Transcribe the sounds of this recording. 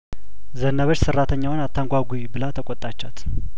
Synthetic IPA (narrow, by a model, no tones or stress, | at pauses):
zənːəβət͡ʃːsɨrːat̪ʰəɲːawnat̪ʰːaŋɡʷaɡʷujbɨlət̪ʰəkʼɔt̪ʼat͡ʃːat̪